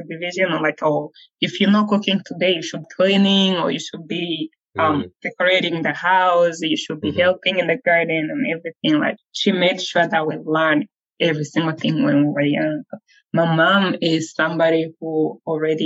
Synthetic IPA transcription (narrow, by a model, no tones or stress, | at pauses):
ɨdɨvɪʒɨ̃nəlaɪkʰo | ɨfjɨnɔt̚kʊkɪ̃ŋtʰɨdeɪjɨʃɨd̚bikʰlinɪ̃ŋə̰˞jɨʃud̚bi | ʌ̃md̥ɛkə˞eɪɾɪ̃ŋðɨhaʊsjɨʃɨd̚bihɛlˠpɪ̃ŋɨ̃nðɨɡɑɹdⁿn̩ɨ̃nɛvɹiθɪ̃ŋla̰ɪk̚ʃimeɪkʃuɹðət̚wilɜ˞n | ɛvɹisɪ̃ŋɡl̩ˠθɪ̃ŋwɛ̃nwiwə˞jʌ̃ŋ | maɪmãmɪz̥sʌ̃mbɑɾihul̩ˠɹɛɾi